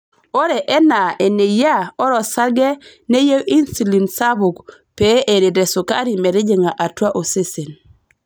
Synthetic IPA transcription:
o˦ɾe˨ʔɛ˦na˨ʔe˨ne˨ja˦ɔ˦ɾɔ˨sa˦ɡɛ˦ | ne˦je˦wʔi˦nsi˨li˨nsa˦bu˨kpe˦ʔe˨ɾe˨dɛ˨su˨ka̰˦ɾi˨mɛ˨ɾi˦d͡ʒe˦ŋa˨ʔa˨twa˦ʔo˨se˦se˨n

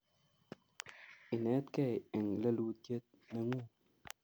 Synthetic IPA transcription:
i˨nɛ˨˦tkɛ˦˨ɛ˨ŋlə˦lu˧˦kje˦t̚nə˨ŋu˦˨

